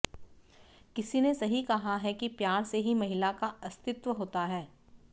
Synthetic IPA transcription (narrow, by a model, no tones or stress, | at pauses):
kɪsinesɐɦikɐɦaɦɛkipjaːɾseɦimɐɦɪlakaɐst̪ɪt̪ʋəɦoːt̪aɦɛː